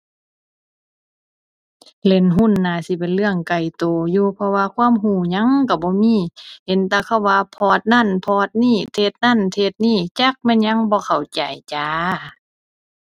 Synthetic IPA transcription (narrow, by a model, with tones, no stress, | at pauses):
le˧˩nɦu˧˥˨nːaː˧˩si˧˦pe˨nlɯ˧˨əŋka˨˩jt̪oː˨˩juː˧pʰɔ˧waː˧kʰwuː˧˥˨mɦuː˧˩ɲa˧˥˨ŋka˧˩bɔː˧˦miː˧˥˨he˨nt̪aː˧kʰa˧˩˨wːaː˧pʰɔː˧˩t̪̚na˧˥˨npʰɔː˧˦t̪̚niː˧˥˨t̪ʰe˧t̪̚na˧˥˨nt̪ʰe˧˩t̪̚niː˧˩˨t͡ɕa˧˦k̚mɛː˧˥˨nɲa˧˥˨ŋbɔː˧˦kʰa˨˩wt͡ɕa˨˩jt͡ɕaː˨˦